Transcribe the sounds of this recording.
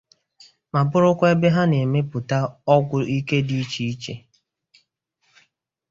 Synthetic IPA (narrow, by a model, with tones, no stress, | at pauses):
ma˨bʊ˦ɾʊ˦kʷe˦be˦ɦa˦ne˨me˦pʊ˨ta˦ɔ˦ɡʷʊ˨i˦ke˦di˦i˦t͡ʃi˦i˦t͡ʃe˨